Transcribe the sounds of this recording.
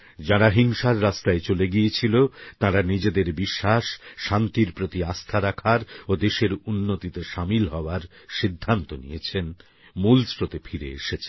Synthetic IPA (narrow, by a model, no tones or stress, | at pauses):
d͡ʑaɾaɦiŋʃaɾːast̪aet͡ɕoleɡijet͡ɕʰilot̪aɾanid͡ʑed̪eɾbiʃːaʃʃant̪iɾpɾot̪iast̪ʰaɾakʰaɾod̪eʃeɾunːot̪it̪eʃamilɦɔoaɾʃid̪ʱːant̪onḭjet͡ɕʰen | mulsɾot̪efʰiɾḛḛʃet͡ɕʰe